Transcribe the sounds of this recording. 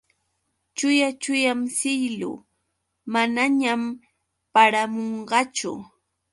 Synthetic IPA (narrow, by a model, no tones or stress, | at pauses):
t͡ʃʊjat͡ʃʊjamsɪjlʊ̰ | manaɲam | paɾamoɴɢɑt͡ʃʊ̰